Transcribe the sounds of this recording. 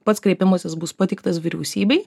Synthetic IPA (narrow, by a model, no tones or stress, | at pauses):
pɐt̪skɾʲɛɪpʲɪmoːsʲɪsbʊspɐt̪ʲɛɪk̚t̪ɐsʋʲiɾʲɛʊsʲiːbʲɛɪ